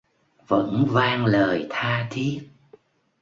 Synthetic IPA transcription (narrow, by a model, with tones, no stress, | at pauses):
və̰˧˥nvaː˧ŋləː˨˩jt̪ʰaː˧t̪ʰi˦˥ət̚